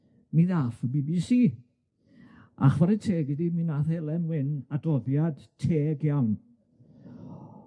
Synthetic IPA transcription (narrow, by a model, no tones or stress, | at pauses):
miðafəbiːbisiː | ʔa̰χwaɾɛtʰeːɡɪdiminaθɛlˠɛnwɪnadɔðjad̥tʰeːɡjawn